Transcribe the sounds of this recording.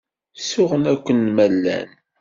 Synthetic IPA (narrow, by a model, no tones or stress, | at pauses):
sʊʁənækʷːənmælːæ̰n